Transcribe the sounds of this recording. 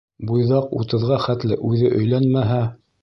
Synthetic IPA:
bujðɑqṵt̪ɤ̆ðʁɑχæt̪lɘʔʉðɘʔɵ̆jlænmæɦæ

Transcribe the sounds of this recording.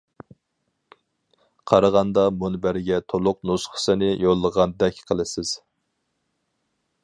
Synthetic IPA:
qʰɑɾɑʁɑnd̪ɑmunbæɾɡʲɛt̪ʰolˠʊqnusχə̥sɪnɪjolˠːəʁɑnd̪ɛkʲqʰəlˠɨsɪz̥

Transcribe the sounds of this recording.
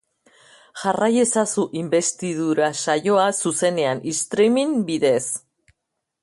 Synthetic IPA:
ʝaraje̞sasuʔimbe̞st̪iðuɾasaʝo̞asuse̞ne̞anist̪ɾemimbiðe̞s

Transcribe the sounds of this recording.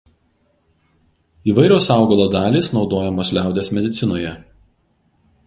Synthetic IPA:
iːʋɐɪɾʲoːsɑˑʊɡɐlˠoːd̪ɑːlʲiːsnɒʊd̪oːjɛmoːslʲæˑʊd̪ʲeːsmʲɛd̪ʲɪt̪sʲɪnoːjɛ

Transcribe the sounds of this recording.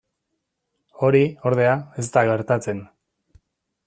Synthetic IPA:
o̞ɾio̞ɾð̞e̞ae̞st̪aɣe̞ɾt̪at͡se̞n

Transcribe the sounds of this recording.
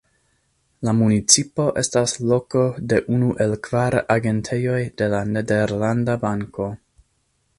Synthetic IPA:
lamunit͡sipo̞ʔe̞staslo̞ko̞de̞ʔunuʔe̞lkv̥aɾaɡe̞ntʰe̞jo̞jde̞lanede̞ɾlandabaŋko̞

